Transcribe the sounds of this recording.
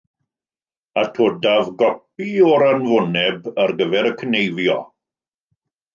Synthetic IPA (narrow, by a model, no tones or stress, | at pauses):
atʰoːdavɡɔp̚iɔɾanvʊnɛbərɡəvɛɾəkʰənejvjɔ